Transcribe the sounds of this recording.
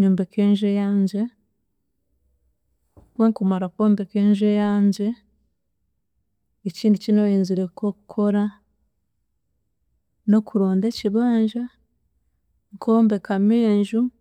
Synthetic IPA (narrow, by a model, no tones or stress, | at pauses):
ɲuːmbekeːɲʒejaːɲɟe̞ | weŋkumaɾakwoːmbe̞ke̞ːɲʒejaːɲɟe̞ | ciːndicinoiːnziɾekokukʰo̞ɾa | no̞kuɾo̞ːnde̞ciβaːɲʒa | ŋkʰo̞ːmbe̞kameːɲʒu